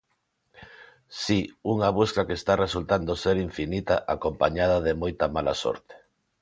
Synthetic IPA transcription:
siuŋaβ̞uskakest̪aresult̪and̪oseɾiɱfinit̪aʔakompaɲað̞aðemojt̪ɐmala̰sɔ̰ɾt̪e̥

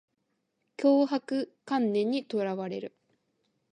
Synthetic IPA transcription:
kʲoːɦakɯ̟kãnːẽ̞ɲ̟ːit̪oɾaβaɾe̞̰ɾɯ̟

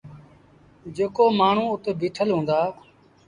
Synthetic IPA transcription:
d͡ʒeːkoːmaːɳ̤ũːʊt̪ʰebʱiːʈʰəlɦũːnd̪aː

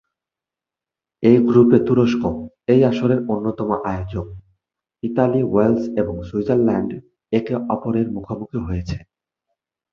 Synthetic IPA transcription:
ejɡɾupet̪uɾoʃko | ejaʃoɾeɾonːot̪ɔmoʔajod͡ʑok̚ | iʈaliwelseboŋswud͡ʑaɾlɛɳɖ | ekeʔɔpoɾeɾmukʰomukʰiɦojet͡ɕʰe

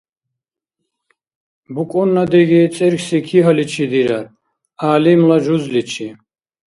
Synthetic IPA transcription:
bukʼɔnːad̪ɛɡit͡s̪ʼɛɾksikʰiɦalit͡ʃʰid̪iɾaɾ | aːlimlaʒuzlit͡ʃʰi

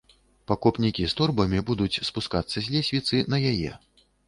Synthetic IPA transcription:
pakɔpnʲikʲist̪ɔrbɐmʲibud̪ut͡sʲspuskat̪sːɐzʲlʲɛsʲvʲit̪sɨnɐjajɛ̰

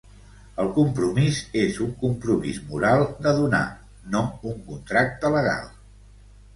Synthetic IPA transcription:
əlˠkumpɾumizezuŋkumpɾumḭzmuɾalˠd̪əðuna̰ | nouŋkunt̪ɾak̚t̪ələɣ̞a̰lˠ

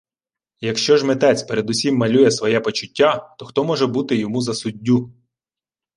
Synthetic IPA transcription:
jɐkʃt͡ʃɔʒmet̪ɛt͡sʲpeɾed̪usʲimːɐlʲujɛsʋɔjɛpɔt͡ʃʊtʲːat̪ɔxt̪ɔmɔʒɛbut̪ɪjɔmuzɐsʊdʲːu

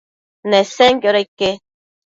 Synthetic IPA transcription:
neseŋkjoɾaike

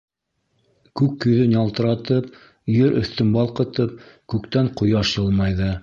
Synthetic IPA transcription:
kʉkːɵ̆ðɵnjɑlˠt̪ɤ̆ɾɑt̪ɤp | jɵɾʔɵ̆θt̪ɵmbɑlˠqɤ̆t̪ɤp̚kʉkt̪æɴqŏjɑʃjɤ̆lˠmɑjðɤ

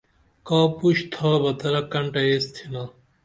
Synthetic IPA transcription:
kaːpuɕt̪ʰaːbɐt̪ɐɾɐkɐɳʈɐest̪ʰina

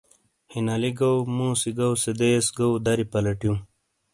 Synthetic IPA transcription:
hinaliɡɐwmũːsiɡɐwsed̪esɡɐwd̪ɐɾipɐlɐʈjũm

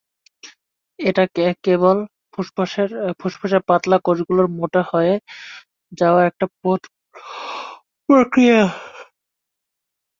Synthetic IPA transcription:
eʈakekebol | ʃbpʰuʃpʰaʃeɾpat̪lakod͡ʑɡuloɾmoʈahɔee | d͡ʑaoaɾɛk̚ʈapo | pɾokɾija

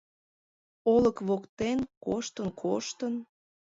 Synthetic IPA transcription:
oləkβokt̪enkoʃt̪ənkʰoʃt̪ən

